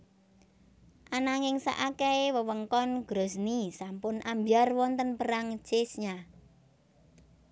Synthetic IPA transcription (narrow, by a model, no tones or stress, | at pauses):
ʔanaŋɪŋsa̰ʔakɛewəwəŋkɔnɡ̥ɾosnisampʊnʔambjarwɔnt̪ənpəɾaŋt͡ʃesɲa